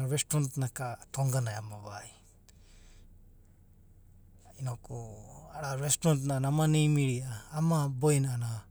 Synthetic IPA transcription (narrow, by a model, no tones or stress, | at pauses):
ɾɛstɾɔntnakatʰɔŋɡanajamaβaj | inɔkɔaɾaɾɛstɾɔntnanamanijmiɾiaːmabɔjnana